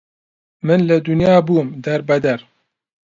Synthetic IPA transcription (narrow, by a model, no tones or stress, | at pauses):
mɨnlɨd̪ʊnjɑːbuːmd̪ɛɾbɐd̪ɐɾ